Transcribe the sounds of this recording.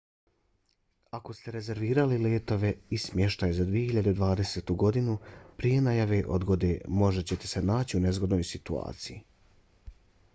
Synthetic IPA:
ako̞st̪eɾe̞ze̞ɾʋiːɾalileːt̪o̞ʋe̞ismje̞ʃt̪aːjezad̪ʋije̞hiʎad̪ed̪ʋaːd̪e̞set̪uɡo̞d̪inupɾije̞najaʋe̞ʔo̞̰d̪ɡo̞d̪e̞ːmo̞ʒe̞t͡ɕe̞t̪ese̞naːt͡ɕiune̞zɡo̞d̪noːjsit̪ua̰ːt̪siji

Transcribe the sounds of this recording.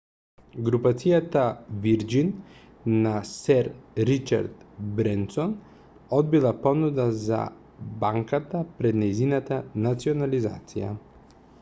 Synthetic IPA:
ɡɾupat̪sijat̪aviɾd͡ʒinː | asɛɾɾit͡ʃa̰ɾt̪bɾɛnt̪sɔn | ɔd̪̚bilˠapɔnud̪aza̰ | baŋkat̪apɾɛd̪nɛjzinat̪anat̪siɔnaliza̰t̪sija̰

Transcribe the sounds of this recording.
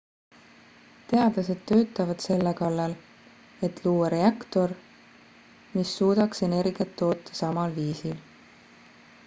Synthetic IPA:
t̪e̞ɑd̪̥lɑse̞d̪̥̚t̪ø̞ːt̪ːˑɑvɑd̪̥se̞lːekɑlːɑl | e̞t̪ˑluːɑɾe̞ɑkt̪o̞r | misːuːd̪̥ɑkse̞ne̞ɾɡiɑt̪ːo̞ːt̪ːˑɑ̥sɑmɑlviːsil

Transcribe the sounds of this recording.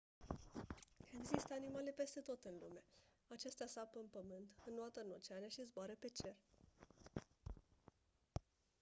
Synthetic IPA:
e̞ɡzist̪əanimale̞pe̞st̪e̞t̪o̞t̪ɨnlume | at͡ʃe̞st̪easapəɨnpəmɨnt̪ɨnːoat̪əɨno̞t͡ʃeaneaʃizboaɾəpe̞t͡ʃe̞r

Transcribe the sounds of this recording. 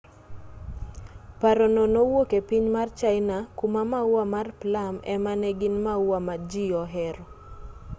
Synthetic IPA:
paɾɔnonowokepiɲmart͡ʃaɪnakumamauwamarplamɛmanɛɡɪnmauwamad͡ʒiɔɦɛɾɔ

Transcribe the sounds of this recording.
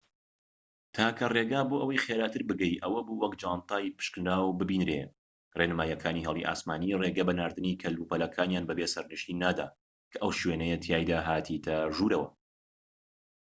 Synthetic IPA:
t̪ʰaːkʰɐreːɡaːboːʔɐwɐjxeːɾaːt̪ʰɨɾbɨɡɛjʔɐwɐbuːwɐkd͡ʒaːnt̪aːjpɨ̥ʃknɾaːwbɨbiːnɾe | renɨmaːjɐkʰaːniːɦɛlˠḭʔa̰ːsmaːniːreːɡɐbɐnaːɾd̪ɨniːkʰɐluːpɐlɐkʰaːnjaːnbɐbeːsɐɾnɨʃiːnːaːd̪a̰ː | kʰɐʔɐwʃwenɐjɐt̪ʰjaːjd̪aːɦaːt̪ʰit̪ʰɐʒuːɾɐwɐ̰

